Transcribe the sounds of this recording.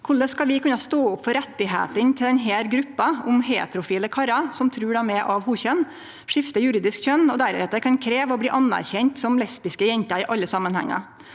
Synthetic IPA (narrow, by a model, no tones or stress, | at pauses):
kʰʊɭəskɑʋɪkʰʉnɑst̪oːʊpːfɔɾɛt̪ːɪɦḛːt̪ənt̪ʰɪlɛnɦeːɾɡɾʉpːɑʊmɦḛːt̪ɾʊfiːləkʰɑɾɑsɔmt̪ʰɾʉːɖæmɛʔɑʋhuːçœnː | ʂɪft̪əjʉɾiːd̪ɪskçœnːɔd̪æɾɛ̰t̪ːəkʰɑnkʰɾeːʋəɔbliːʔɑnːæ̰ɾçɛɲt̪sɔmlɛspɪskəjɛɲt̪ɑɪːʔɑlːəsɑmːənhɛ̰ŋːɑ̰